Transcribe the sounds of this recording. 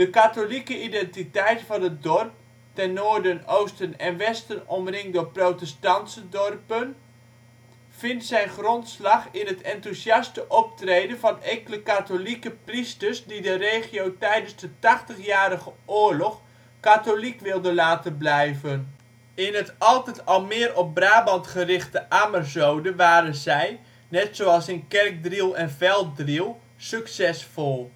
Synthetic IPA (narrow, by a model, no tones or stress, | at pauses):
dəkatolikəidɛntitɛjtfɑnət̚dɔrp̚ | tɛnːoːɹdənowstənɛnʋɛstənɔmrɪŋdoːprowtɛstɑntsədɔrpən | v̥ɪntsɛjnχrɔntslɑχɪnɦətʰɛntusjɑstəʔɔp̚trejdənvɑneŋkələkatolikəpristəɹsdidərejχiowtɛjdənzdətɑχtəχjaːɾəχəʔʊːɹlɔχ | katolikʋɪlˠdənlaːtənblɛjvən | ɪnɦətɑlˠtɛtɑlˠmɪːrɔp̚braːbɑntχərɪχtəʔamərzowdəʋaːɾənzɛj | nɛtsoɑlˠsɪnkɛrk̚drilˠɛnvɛlˠt̚drilˠ | syksɛsfɔlˠ